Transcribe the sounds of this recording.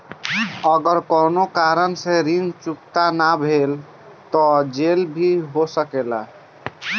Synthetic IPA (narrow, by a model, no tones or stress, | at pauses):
əɡəɾkɔnokaɾənseɾint͡ʃukt̪anabʱel | t̪ɔd͡ʒelbʱiɦosəkela̰